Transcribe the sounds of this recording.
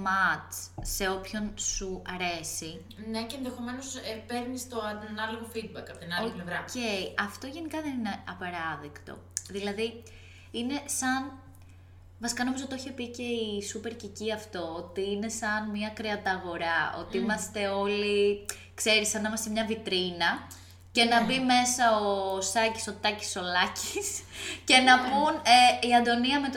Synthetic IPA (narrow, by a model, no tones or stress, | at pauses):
mɐtse̞o̞pço̞nsuɐɾe̞si | neceːnðexo̞me̞nosepe̞ɾnist̪oɐnɐloɣo̞fid̪̚bɐkɐpot̪inɐloiplevɾɐce̞iɐft̪o̞ʝe̞nikɐðe̞nineɐpɐɾɐðikt̪o̞̰ðilɐði | ine̞sɐn | vɐsi̥kɐno̞mizot̪oçepice̞isupe̞ɾciciɐft̪o̞ot̪iine̞sɐnmiɐkɾeɐt̪ɐɣo̞ɾɐo̞̰t̪iimɐst̪e̞o̞li | kse̞ɾisɐnimɐst̪emɲɐvit̪ɾinɐ | ce̞nɐbime̞sɐosɐci̥so̞t̪ɐci̥so̞lɐcisce̞nɐpuneiɐnd̪o̞niɐme̞t̪